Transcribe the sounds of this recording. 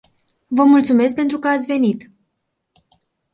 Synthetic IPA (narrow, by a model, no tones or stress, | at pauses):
vəmult̪sume̞s̬k̚pe̞nt̪ɾukəat̪sʲve̞nit̪